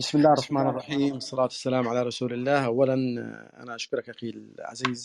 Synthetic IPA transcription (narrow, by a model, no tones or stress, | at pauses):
bɪsmɪlːaːrˤːɑħmaːnɑrˤːɑħiːmɑsˤːɑlaːt̪ḁsːalaːmʕalaɾˤɑsuːlɪlːaːhʔawːalanʔʔa̰naʔaʃkʊɾˤɑkʔaxilʕa̰ziːz